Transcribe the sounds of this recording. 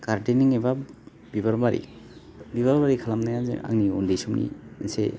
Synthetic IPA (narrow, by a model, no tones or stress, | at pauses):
kaɾdiniŋeba | bibaɾbaɾḭ | biβaɾbaɾikʰalamnajazḛʔa̰ŋniundisumnḭinsḛ